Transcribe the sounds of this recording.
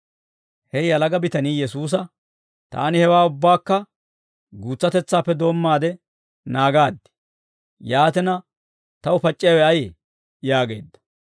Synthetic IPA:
hɛjɐlɐɡɐbɪt̪ɐniːjɛsuːs̬ɐ | t̪a̰ːnɪhɛwaːʊbːaːkːɐ | ɡuːt͡sːɐt̪ɛt͡sːaːpːɛd̪o̞ːmːaːd̪ɛ | naːɡaːd̪ːɪ̥ | jaːt̪ɛnɐ | t̪ɐʊpɐt͡ʃʼːɪjawɛɐjɛ | jaːɡe̞̰ːd̪ːɐ̥

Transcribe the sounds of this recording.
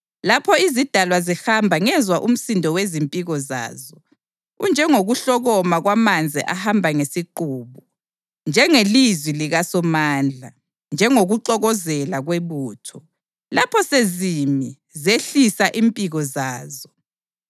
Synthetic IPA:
lapʰɔizid̥ʱalwazihambʱaŋɛzwaʔum̩sindʱɔwezimpʼiɣɔza̰ːzɔ | ṵnd͡ʒʱɛŋoɣuɬɔɣɔmaɣwamand͡zʱiʔahambʱaŋesiǃuːβɔ | nd͡ʒʱɛŋelizwiliɣasɔmaːnd͡ɮʱa | nd͡ʒʱɛŋoɣuǃɔɣɔzɛlaɣweβuːtʰɔ | lapʰɔsezimi | zeɬisaʔimpʼiɣɔzaːzɔ

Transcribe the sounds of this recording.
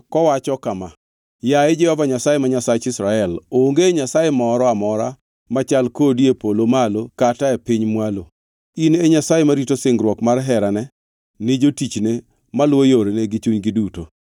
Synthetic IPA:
kɔwat͡ʃɔkama | jaed͡ʒɛhɔvaɲasajemaɲasat͡ʃɪsɾaɛloŋɡeɲasajemɔɾɔamɔɾa | mat͡ʃalkodiepolomalokataepɪɲmwalo | ineɲasajemaɾitosɪŋɡɾwɔkmarɦɛɾanɛ | nɪd͡ʒotit͡ʃne | malwojoɾeneɡɪt͡ʃuɲɡɪduto̰

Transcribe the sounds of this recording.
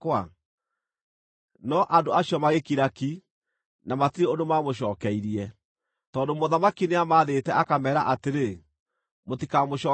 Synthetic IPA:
kwa | nɔʔandoaɕjɔmaɣekiɾaki | namatiɾeondomamoɕ̬ɔːkɛiɾiɛ | tɔːndomoðamakineamaːðetɛʔakamɛːɾaʔateɾe | motikamoɕɔː

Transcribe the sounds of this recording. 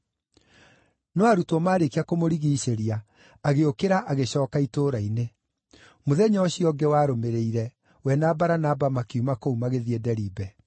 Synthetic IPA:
nɔaɾutɔmaːɾekiakomoɾiɣiːɕeɾiaː | ɣeokeɾaʔaɣeɕɔːkaitoːɾaine | moðɛɲɔːɕiɔɡɛwaɾomeɾeiɾɛ | wɛnabaɾanabamakeumakoumaɣeðiɛdɛɾiːbɛ

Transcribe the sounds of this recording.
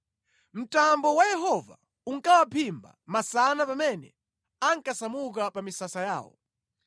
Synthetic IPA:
m̩tambɔwajɛɦɔva̰ | uŋkawapʰimba̰masanapamɛnɛ̰ | aŋkasamuk̬apamisasaja̰ːwɔ̰

